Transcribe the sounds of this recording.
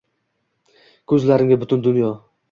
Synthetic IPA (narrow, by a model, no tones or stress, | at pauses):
kʰɵzlaɾɪŋʲabʊt̪ʊnd̪ʊnjɒ